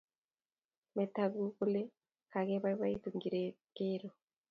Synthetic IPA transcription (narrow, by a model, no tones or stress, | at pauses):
metaɡukule | kaɣeβaβait̪uŋɡiɾe | keɾo